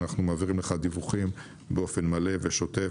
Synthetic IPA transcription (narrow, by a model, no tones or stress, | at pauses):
naχnumaːviʁimleχad̪ivuχim | beo̞fe̞nmaleveʃo̞t̪e